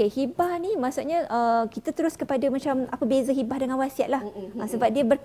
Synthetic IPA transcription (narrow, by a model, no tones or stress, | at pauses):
ehibahnĩmaʔsuʔ̚ɲə̃ʔəkit̪at̪əɾʊskəpadamat͡ʃamapəbezəɦibahdəŋanwasiaʔ̪̚lahʔəsəbap̚diəbər